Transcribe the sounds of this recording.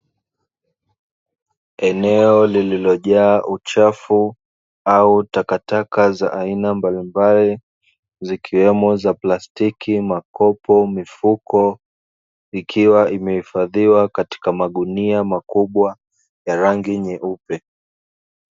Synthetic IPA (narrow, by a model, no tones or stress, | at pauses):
ɛnɛɔlililɔʄaːʔut͡ʃafu | autakatakaza̰ʔainambalimbali | zikʰiwɛmɔzaplastikimakɔpɔmifukɔ | ikʰiwaʔimɛhifaðiwakati̥kamaɗuniamakuɓwa | jaɾaŋɡiɲɛʔupɛ